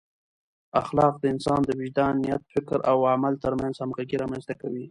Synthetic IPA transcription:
axlɑq̚d̪əɪnsɑnd̪əwɪd͡ʒd̪ɑnːijat̪̚fɪkɾʔawamalt̪əɾmanzhamɡaɡiɾɑmanst̪akawi

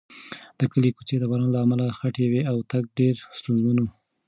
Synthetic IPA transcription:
d̪̥əkəlekut͡ʃed̪əbaɾɑnlaːmalaxaʈeweawt̪aɡ̚ɖeɾst̪ʊnzmana

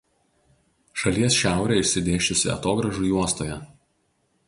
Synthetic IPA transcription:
ʃɐlʲiɛsʃʲæˑʊɾʲɛˑɪʃʲsʲɪd̪ʲeːʃʲʊsʲɪ̰ɐ̰t̪oːɡɾɐʒuːˑjuɔst̪oːjɛ

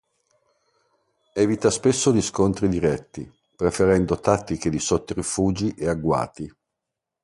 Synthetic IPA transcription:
ɛːvit̪aspesːod̪iskont̪ɾid̪iɾɛt̪ːḭ | pɾefeɾɛnd̪ot̪at̪ːiked̪isɔt̪ːoɾifuːd͡ʒiʔeaɡːwa̰ːt̪i

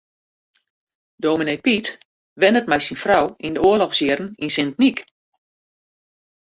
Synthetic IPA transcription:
doːminejpit | ʋɛnət̚mɛjsinfrɔwindəoəlɔxsjɪrn̩insɪntnik

